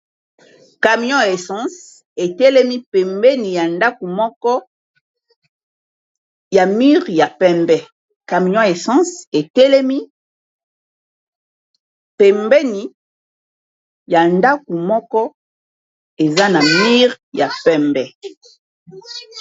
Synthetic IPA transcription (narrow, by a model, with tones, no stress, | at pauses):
ka˨mi˦ɔ̃˦e˨sã˦s | e˨tɛ˦lɛ˦mi˦pɛ˨mbɛ˦ni˨ja˨nda˦ku˨mɔ˦kɔ˦ | ja˨mi˦ʁja˨pɛ˦mbɛ˦ | ka˨m˨ɔ̃˦e˨sã˦se˨tɛ˦lɛ˦mi˦ | pɛ˨mbɛ˦ni˨ | ja˨nda˦ku˨mɔ˦kɔ˦ | e˨za˦na˨mi˦ʁ | ja˨pɛ˦mbɛ˨